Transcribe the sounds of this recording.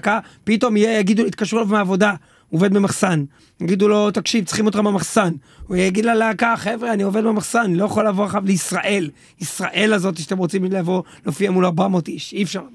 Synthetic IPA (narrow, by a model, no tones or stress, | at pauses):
kapit̪o̞mijejaɡid̪uit̪̚kaʃʁulovmeaːvo̞d̪a | ove̞d̪memaχsan | jaɡid̪ulo̞t̪akʃivt͡sχimot̪χamamaχsan | jejaɡid̪laleakaχevʁeanio̞ved̪memaχsanlo̞jaχolavoaʃavleisʁaʔe̞l | isʁaʔe̞lazo̞t̪̬iʃat̪emʁo̞t͡simleavo̞lofiamulaʁbamo̞t̪iʃiefʃaʁ